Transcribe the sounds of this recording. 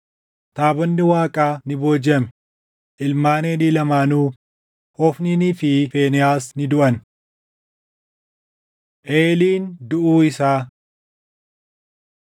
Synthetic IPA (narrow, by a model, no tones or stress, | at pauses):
t̪aːbɔnːɪwaːkʼaːnɪbo̞ːd͡ʒɐm | ʔɪlmaːneːniːlɐmaːnuː | hɔfniniːfɪfe̞ːnɛjaːsnɪd̪ʊʔɐn | ʔeːliːnd̪ʊʔuːɪsaː